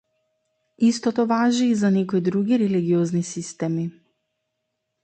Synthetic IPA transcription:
ist̪ɔt̪ɔvaʒiːzanɛkɔid̪ɾuɡiɾɛliɡiɔznisist̪ɛmi

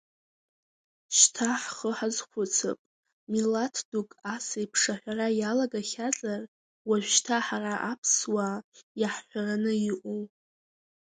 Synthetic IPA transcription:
ʃtʰaħχəħazχʷʊt͡sʰɨ̰pʼ | milatʰdukʼasaipʰʂaħᶣʷarajalaɡaχʲazʼar | waʒʷᶣʃtʰaħaraʔapʰswajaħːʷᶣaranɨiʔu

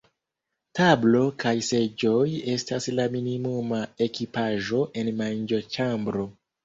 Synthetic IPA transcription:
tablo̞kajsed͡ʒoje̞staslaminimumae̞kipaʒo̞ʔe̞nmand͡ʒot͡ʃambɾo

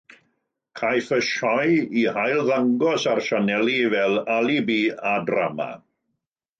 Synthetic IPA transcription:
kʰajfəʃɔjihajlˠðaŋɡɔsarʃanɛlˠivɛlˠalˠibiːadrama̰

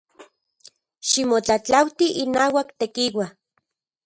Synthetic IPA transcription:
ʃimot͡ɬat͡ɬawt̪iʔinaːwakt̪ekiwa

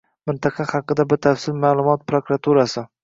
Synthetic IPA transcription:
mɪnt̪ʰɑqʰɑχɑqɨd̪abɪɾt̪ʰafsɪlmaːlˠʊmɒt̪̚pɾokɾat̪ʰuɾasɪ

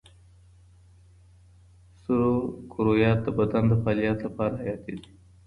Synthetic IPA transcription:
sʊɾokʰʊɾojɑːt̪̚d̪əbad̪and̪əfɑːlijɑt̪lapɑɾaɦajɑːt̪ed̪i̥

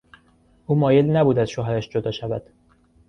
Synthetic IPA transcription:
ʔuːmɒːjelnæbuːd̪æzʃoɦæɾæʃd͡ʒod̪ɒːʃævæd̪̥

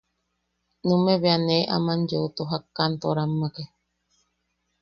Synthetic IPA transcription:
nũmeβeaneʔa̰mand͡ʒot̪oɦakːant̪oɾamːake

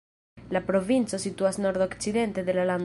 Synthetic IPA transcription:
lapɾo̞vint͡so̞sit̪uasno̞ɾd̪o̞kt͡sid̪e̞nt̪e̞d̪e̞lalan

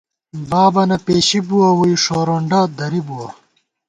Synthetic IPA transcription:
baːbɐnɐpeːɕibuwɐwuiʂoːɾoɳɖaːd̪ɐɾibuwɐ

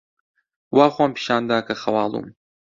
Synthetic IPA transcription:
waːxʷampʰi̥ʃaːnd̪aːkɐxɐwaːlˠṵm

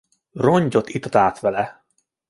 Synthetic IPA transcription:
roɲɟo̞t̪it̪ot̪aːt̪ʋɛlɛ

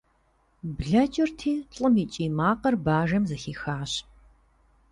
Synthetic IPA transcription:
bɮɐt͡ʃʼɪrtʰiːɬʼɨmiːt͡ʃʼiːmaːqɐrbaːʒɐmzɐxiːxaːɕ

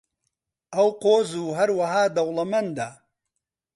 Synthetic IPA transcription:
ʔɐwqoːzuːɦɐɾwɐɦaːd̪ɐwlɐmɐnd̪aː

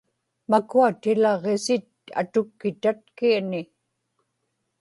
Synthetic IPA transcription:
makuat̪ɪlɑʁesɪt̪a̰t̪ʊkːɪt̪at̪̚kianɪ

